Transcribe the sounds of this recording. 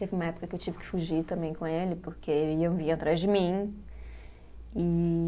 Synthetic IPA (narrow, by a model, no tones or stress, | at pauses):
t̪evɪumɐɛpʊ̥kɐkɪewt͡ʃivɪkɪ̥fuʒiɾt̪ɐ̃mbẽj̃kõelɪpoɾkeew̃vĩɲɐt̪ɾazd͡ʒɪmĩ | i